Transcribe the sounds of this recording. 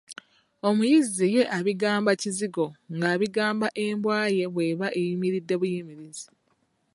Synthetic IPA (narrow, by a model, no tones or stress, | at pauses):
o̞mujizije̞ʔaβiɡaːmbaciziɡo̞ŋɡaːβiɡaːmbaʔe̞ːmbwaːje̞βwe̞ːβaʔejimiɾidːe̞βujimiɾizi